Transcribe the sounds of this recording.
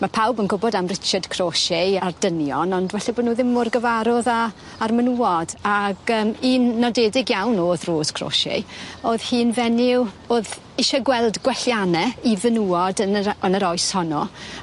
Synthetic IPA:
mapʰawbənɡʊbɔdamrɪt͡ʃad̥kʰroʃɛardənjɔnɔndwɛɬabonuːðɪmːʊrɡəvaɾɔðaː | rmənuːɔdaɡəːmiːnːɔdeːdɪɡjawnoːðroːskʰro̰ʃɛ̰oːð̥hiːnvɛnɪw | oːð | ɪʃɔɡwɛlˠdɡwɛɬjanɛivənuːɔdənənəɾɔjshɔnɔ

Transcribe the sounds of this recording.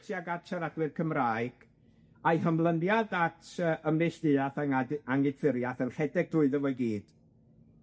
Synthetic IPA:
sjaɡat͡ʃʰaɾadwɨðkʰəmraːɨɡ̥ | ajɦəmlˠənjadatʰəːʔəmnɛɬd̥ɨaθaŋaaŋɪd̥θɪɾjaθənχɛdɛɡ̚dʊɨðəvɔɨɡiːd̥

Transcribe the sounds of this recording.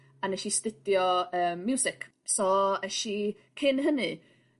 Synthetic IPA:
anɛʃistɪdjɔəːmːjuːsɪkʰ | sɔɛʃi | kʰɪnɦənɨ

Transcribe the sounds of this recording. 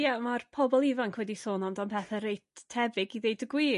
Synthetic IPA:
jamarpʰɔbɔlˠivankʰwɛdisoːnɔmdanpʰɛθɛɾejtʰːɛbɪɡiðejdɡwiː

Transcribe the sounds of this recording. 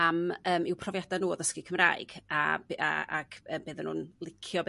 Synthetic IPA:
aməːmɪwpʰrɔvjadanuːðəskɪkʰəmra̰ːɨɡ̥a̰ba̰a̰ɡəːmbeːðənṵːnlˠɪkʰjɔb

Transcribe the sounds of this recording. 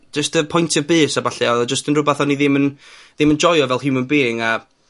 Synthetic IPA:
d͡ʒəstəpʰɔjntʰəbɨːsabaɬɛɔðɔd͡ʒəstənrʊbaθɔnːiðɪmənðɪmənd͡ʒɔjɔvɛlˠhɪmənbɪːŋa

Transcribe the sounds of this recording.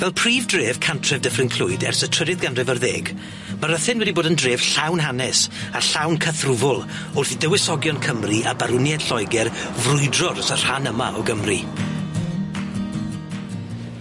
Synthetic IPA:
vɛlˠpʰriːvdreːv̥kʰantʰrɛvdəfrɪnkʰl̥ʊɨdɛ̰rsətʰədɨðɡanrɛvərðeːɡ | maɾəθɪnwɛdiboːdəndreːv̥ɬawnɦanɛsaɬawnkʰəθrʊvʊlˠ | ʊrθidəwɪsɔɡjɔnkʰəmriʔabaɾʊnjɛd̥ɬɔjɡɛrvrʊɨdrɔrəsər̥hanəma̰ɔɡəmri

